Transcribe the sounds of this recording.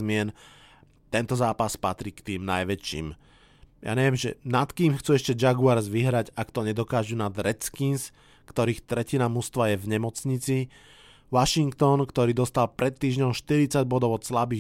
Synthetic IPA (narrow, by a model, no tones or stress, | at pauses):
zmɪɛn | t̪ɛnt̪ɔzaːpaspat̪ɾiːkt̪iːmnajʋɛt͡ʃḭːm | ja̰ːɲɛʋɪɛmʒɛ̰nat̪kiːmxt͡suɛʃcɛd͡ʒaɡuaɾzʋiɦɾaɟakt̪ɔɲɛd̪ɔkaːʒunad̪ɾɛt͡skins | kt̪ɔɾiːxt̪ɾɛcinamust̪ʋajɛvɲɛmɔt͡sɲit͡si | ʋaʃiŋkt̪ɔnkt̪ɔɾiːd̪ɔst̪alpɾɛt̪ːiːʒɲɔʊʃt̪iɾit͡saɟbɔd̪ɔʊɔt̪slabiː